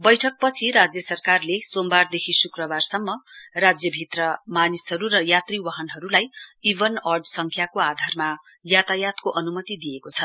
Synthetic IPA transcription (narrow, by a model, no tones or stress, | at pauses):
bʌjʈʰʌk̚pʌt͡sʰiɾad͡zjʌsʌrkarlesombard̪ekʰisukrʌbarsʌmːʌrad͡zjʌbʱit̪rʌmanisɦʌɾuɾʌjat̪riwaɦʌnɦʌɾulajibʌnʌrɖsʌŋkʰjakoad̪ʱarma | jat̪ajat̪koʔʌnumʌt̪id̪ijekot͡sʰʌ